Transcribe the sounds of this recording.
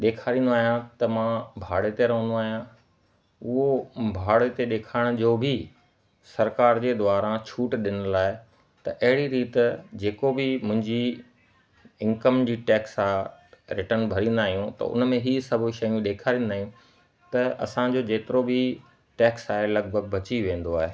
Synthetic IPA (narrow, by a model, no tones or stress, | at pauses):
ɗeːkʰaːɾĩːnd̪oaːɦijãt̪ɐmãbʱaːɽet̪eɾɐɦə̃nd̪oaːɦijã | ʊɦobʱaːɽet̪eɗeːkʰaːɪɽ̃d͡ʑoːbʱɪ | sɐɾkaːɾd͡ʑeːd̪ʊʋaːɾãt͡ɕʰuːʈɗɪnʊ̆laːɪ | t̪ɐʔɐɦɪɽiɾiːt̪d͡ʑeːkobɪmʊ̃ɦɪ̃ɲd͡ʑi | ɪ̃ŋkəmd͡ʑiːʈɛːksaːɾɪʈənbʱɐɾĩːn̆d̪aːɦijũt̪ɐ̰ʊ̰nmẽɦiːsɐbʱʊʃɐjũɗeːkʰaːɾĩːnd̪aːɦijũ | t̪ɐɐ̰sãd͡ʑoːd͡ʑeːt̪ɪɾobʱi | ʈɛːksaːɦelɐɡbʱəɡ̚bɐt͡ɕiʋẽːn̆d̪oaːɦeː